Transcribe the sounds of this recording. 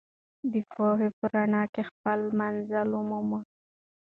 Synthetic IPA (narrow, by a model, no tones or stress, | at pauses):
d̪əpoɦepəɾaɳɑkexpəlmanzalumuma